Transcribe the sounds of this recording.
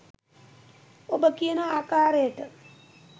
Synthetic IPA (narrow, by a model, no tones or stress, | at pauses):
obəkijənəaːkaːɾejəʈə